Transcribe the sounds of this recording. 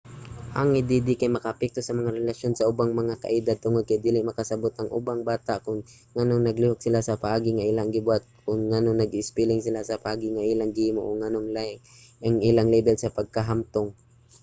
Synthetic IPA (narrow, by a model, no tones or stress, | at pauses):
ʔaŋhɪnd̪ɪd̪ɪkajmɐkɐʔɐpɛk̚t̪osɐmɐŋaɾɛlaʃjonsɐʔʊbaŋmɐŋakɐ̰ʔɪd̪ad̪̚t̪ʊŋod̪̚kajd̪iːlɪmɐkɐsɐbot̪ɐŋʔʊ̰baŋbaːt̪aʔkʊŋː | anoŋnɐɡlɪhok̚sɪlasɐpɐʔaːɡɪŋaʔilaŋɡɪbʊat̪̚kʊŋːanoŋnɐɡɪspilɪŋsɪlasɐpɐʔaːɡɪŋaʔilaŋɡɪhiːmo̰ʔoŋanoŋla | aŋʔɪlaŋlɛbɛlsɐpɐɡ̚kɐɦamt̪oŋ